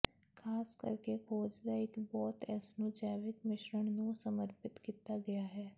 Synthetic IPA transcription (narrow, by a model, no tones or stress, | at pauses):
kʰaːskə̰ɾkekʰoːd͡ʒd̪aːɪkbɔːt̪ɛːsnũːd͡ʒɛːʋɪkmɪʃɾəɳ̃nũːsəməɾpɪt̪kiːt̪aːɡəjaːɦɛː